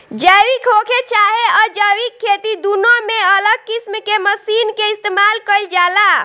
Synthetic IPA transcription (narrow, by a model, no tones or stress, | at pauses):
d͡ʒəjwikɦokʰet͡ʃaɦeəd͡ʒəwikʰːet̪id̪unomeələɡ̚kismkeməsinkeist̪emalkəjld͡ʒala